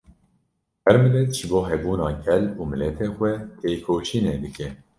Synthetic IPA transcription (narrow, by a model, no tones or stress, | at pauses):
hɛɾmɨlɛt̪ʒ̥ɨboːɦɛbuːnɑːɡɛluːmɨlɛt̪ʰeːxʷɛt̪ʰeːkʰoːʃiːneːd̪ɨkʰɛ